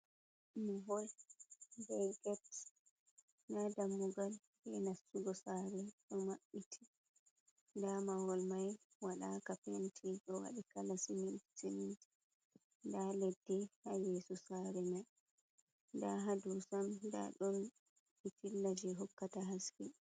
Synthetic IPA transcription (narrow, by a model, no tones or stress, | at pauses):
miɦɔl | bɛjɡɛt | nadamːuɡal | hɛnasːuɡɔsaɾɛɗɔmaɓːitʰi̥ | ndamawɔlmaj | waɗakapentʰiɗɔwa̰ɗikalasinitiniti̥ | ndalɛdːɛhajesusaɾɛmaj | ndaɦadusamda̰ɗɔn | itilːad͡ʒɛɦɔkːataɦaski